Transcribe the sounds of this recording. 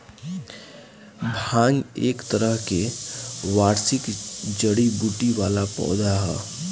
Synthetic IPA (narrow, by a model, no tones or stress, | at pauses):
bʱãːŋɡḛːkt̪əɾəɦke | ʋaːɾsɪkd͡ʒəɽibuʈiʋaːlapɔ̰ːd̪aɦɛ̰ː